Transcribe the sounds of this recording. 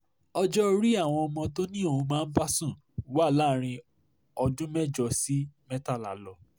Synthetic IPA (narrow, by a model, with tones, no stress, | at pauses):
ɔ˧d͡ʒɔ˦ɾi˦a˦˨w̃ɔ̃˧ɔ˧mɔ̃˧to˦nĩ˦o˦˧ũ˧mãː˦˧n̩˦ba˦sũ˦˨˦ | wa˦˨la˦˨˦ɾ̃ĩ˧ | ɔ˧dũ˦mɛ˦d͡ʒɔ˦˧˨si˦mɛ˦ta˦˨la̰˨˦lɔ˨